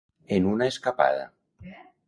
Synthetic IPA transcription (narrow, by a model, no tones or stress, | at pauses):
enunaeskapa̰ða̰